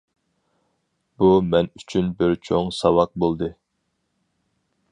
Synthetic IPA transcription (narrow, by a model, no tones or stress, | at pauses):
bumɛnyt͡ʃʰynbɪɾt͡ʃʰoŋsɑwɑq̚bolˠd̪ɨ